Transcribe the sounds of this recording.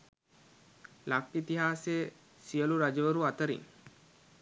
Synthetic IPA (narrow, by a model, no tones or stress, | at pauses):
lakːit̪iɦaːseə | siəluɾad͡ʒəʋəɾuat̪əɾḭŋ